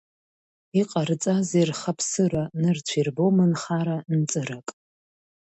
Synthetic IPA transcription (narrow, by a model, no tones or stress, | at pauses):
iqʼart͡sʼazerχapʰsɨranɨrt͡ɕʷʰirbomɨnχaɾant͡sʼɨɾakʼ